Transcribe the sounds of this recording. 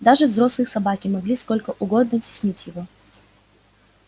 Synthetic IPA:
d̪aʐɨvzɾo̞slˠɨsɐbakʲɪmɐɡlʲisko̞lʲkəʔʊɡo̞d̪nətʲɪ̥sʲnʲitʲjɪvo

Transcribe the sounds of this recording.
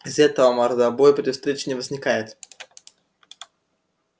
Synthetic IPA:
ɪzɛt̪əvəmɐɾd̪abojpʲɪdʲɪfst̪ɾʲet͡ɕɪ̥nʲɪvəzʲnʲɪkajɪt̪

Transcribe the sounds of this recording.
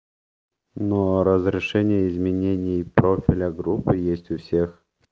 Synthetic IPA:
noɾəzɾʲɪʂɛnʲɪjəɪzmʲɪnʲenʲɪjpɾofʲɪlʲəɡɾupːɨjesʲtʲʊfsʲex

